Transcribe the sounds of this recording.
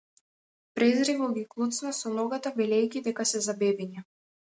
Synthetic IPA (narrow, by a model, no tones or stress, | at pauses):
pɾɛzɾɛɡɔɡʲiklˠut̪snasɔnɔɡat̪avɛlɛjkʲid̪ɛkasɛzabɛbiɲa